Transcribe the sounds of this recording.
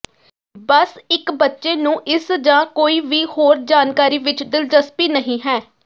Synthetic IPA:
bəsɪkbətːʃeːnũːʔɪsd͡ʒãːkoːiːʋiːhoːɾd͡ʒaːnkaːɾiːʋɪt͡ʃd̪ɪld͡ʒəspiːnəɦĩːɦɛː

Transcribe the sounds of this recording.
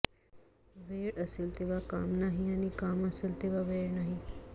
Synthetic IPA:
ʋeɾəseːlt̪eʋaka̰ːmnaɦiañikaməseːlt̪eʋaʋeɽnaɦi

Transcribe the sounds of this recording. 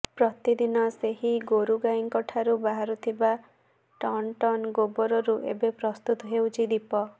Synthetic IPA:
pɾɔt̪id̪inɔseɦiɡoɾuɡaiŋkɔʈʰaɾubaɦaɾut̪ʰiba | ʈɔnʈɔnɡobɔɾɔɾuʔḛbepɾɔst̪ut̪ɔɦewt͡ʃʰid̪ipɔ

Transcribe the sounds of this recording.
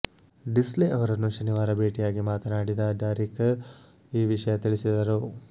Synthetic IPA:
ɖisleʔɐʋɐɾɐnːuʃɐniʋaːɾɐbʱeːʈijaːɡimaːt̪ɐnaːɽid̪ɐɖaːɾik | iːʋiʂɐjɐt̪iɭisid̪ɐɾu

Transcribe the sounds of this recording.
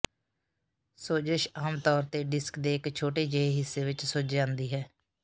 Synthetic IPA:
soːd͡ʒəʃaːmt̪ɔːɾt̪eːɖɪskd̪eːɪkt͡ʃʰoːʈeːd͡ʒəeɦɪsːeːʋɪt͡ʃsoːd͡ʒd͡ʒãːnd̪iːɦɛː

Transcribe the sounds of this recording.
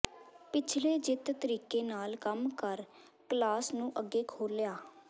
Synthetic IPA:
pɪt͡ʃʰleːd͡ʒɪt̪t̪əɾiːkeːnaːlkəmkəɾ | kəlaːsnũːʔəɡːeːkʰoːljaː

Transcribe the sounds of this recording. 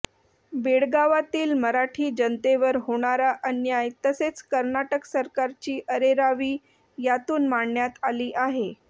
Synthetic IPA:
beɽɡaʋat̪iːlməɾaʈʰiːd͡ʑənt̪eʋəɾɦoɽ̃aɾaʔənjajt̪əset͡skəɾnaʈəksəɾkaɾt͡ɕiːʔəɾeɾaʋiː | jat̪uːnmaɳːjat̪aliːʔaɦe

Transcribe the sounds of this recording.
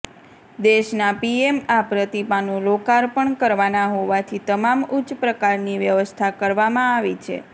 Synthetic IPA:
d̪eʃnapiemapɾət̪ipanũlokaɾpəɳkəɾʋanaɦoʋat̪ʰit̪əmamʊt͡ʃpɾəkaɾniʋjəʋəst̪ʰakəɾʋamãaʋit͡ʃʰḛ

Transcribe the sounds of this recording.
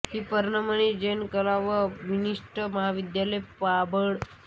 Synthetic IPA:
hiːpəɾɳəmənid͡ʑenkəlaʋəʋiniʂʈəməɦaʋid̪jaləjpabəɽ

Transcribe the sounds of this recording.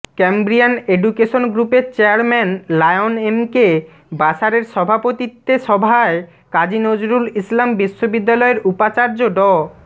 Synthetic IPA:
kembɾianeɖukeʃonɡɾupeɾt͡ɕeaɾmɛnlajonemke | baʃaɾeɾʃɔbʱapot̪it̪ːeʃɔbʱae | kad͡ʑinod͡ʑɾulislambiʃːobid̪ːalɔeɾupat͡ɕaɾd͡ʑoɖɔ

